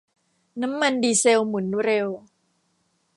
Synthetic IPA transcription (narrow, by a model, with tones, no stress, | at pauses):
na˦˥mːa˧ndiː˧se˧wmu˩˦nɾe˧w